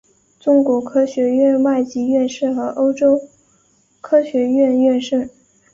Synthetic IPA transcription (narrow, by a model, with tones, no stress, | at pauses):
ʈ͡ʂʊ˥ŋkwɔ˧˥kʰɤ˥ɕɥɛ˧˥ɥɛ˥˧nwa˥˩ɪt͡ɕi˧˥ɥɛ˥˧nʂɻ̩˥˩xɤ˧˥ʔo˥ʊʈ͡ʂo˥ʊ | kʰɤ˥ɕɥɛ˧˥ɥɛ˥˧nɥɛ˥˧nʂə˥˩ŋ